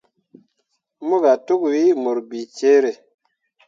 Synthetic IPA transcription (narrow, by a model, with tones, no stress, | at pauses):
mu˦ɡa˨tu˦kwi˦mo˨ɾbi˨t͡ʃe˦ɾe˨